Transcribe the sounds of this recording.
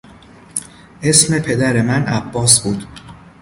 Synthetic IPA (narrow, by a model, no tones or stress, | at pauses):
ʔe̞sme̞pʰe̞d̪æɾe̞mænʔæbːɒːsbuːd̪̥